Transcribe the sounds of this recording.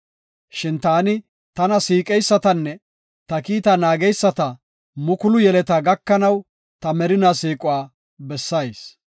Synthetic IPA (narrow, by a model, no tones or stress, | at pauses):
ʃɪnt̪aːnɪ | t̪ɐnɐsiːkʼɛjsːɐt̪ɐnːɛ | t̪ɐkiːt̪ɐnaːɡɛjsːɐt̪ɐ | mʊkʊlʊjɛlɛt̪aːɡɐkːɐnɐw | t̪ɐmɛɾɪnasiːkʼʊwaː | bɛsːɐjs